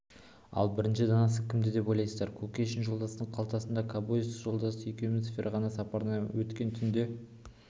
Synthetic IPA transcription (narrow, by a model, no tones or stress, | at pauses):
ɑ̰lˠbɪɾɪnʃɪd̪ɑnɑs̬əkʲʰɪmd̪ɪd̪e̞po̞jlˠɑjsəzd̪ɑɾkʰokʲeʃɪnʒo̞lˠd̪ɑst̪əɴqʰɑlˠt̪ɑsənd̪ɑkʰɑbojsʒo̞lˠd̪ɑsəʏjkʲemɪnsfʲeɾʔɑʁɑnɑsɑpɑɾənɑwɵt̪kʲe̞nt̪ʰʏnd̪e̞